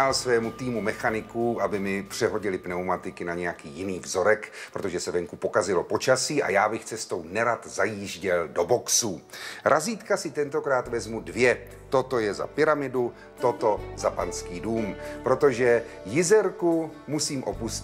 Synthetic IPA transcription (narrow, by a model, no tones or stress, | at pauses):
alsvɛːmut̪iːmumɛxanɪkuʔabɪmɪpr̝̥ɛɦo̞ɟɪlɪpnɛwmat̪ɪkɪnaɲɛjakiːjɪniːvzo̞ɾɛkpɾo̞t̪oʒɛsɛvɛŋkupo̞kazɪlo̞po̞t͡ʃasiːʔa̰jaːbɪxt͡sɛst̪o̞wnɛɾat̪zajiːʒɟɛldo̞bo̞ksuɾʔaziːt̪kasɪt̪ɛnt̪o̞kɾaːt̪vɛzmudvjɛ | t̪o̞t̪o̞jɛza̰pɪɾamɪdu | t̪o̞t̪o̞zapanskiːduːmpɾo̞t̪o̞ʒɛjɪzɛɾkumusiːmʔo̞pus